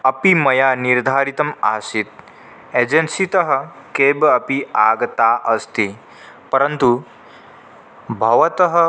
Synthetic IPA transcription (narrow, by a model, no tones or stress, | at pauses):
ɐpimɐjaːniɾd̪ʱaːɾit̪ɐmaːsit̪ | ed͡ʒensit̪ɐɦɐ̆ | keːbɐpiaːɡɐt̪aːʔɐst̪i | pɐɾɐnt̪u | bʱɐʋɐt̪ɐɦɐ